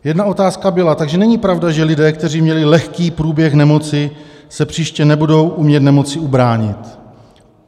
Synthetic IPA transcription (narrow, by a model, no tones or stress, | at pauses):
jɛdnao̞t̪aːskabɪlat̪aɡʒɛnɛɲɪpɾavdaʒɛlɪdɛːkt̪ɛriːmɲɛlɪlɛxkiːpɾuːbjɛxnɛmo̞t͡sɪsɛpr̥iːʃcɛnɛbudo̞wʔumɲɛt̪nɛmo̞t͡sɪubɾaːɲɪt̪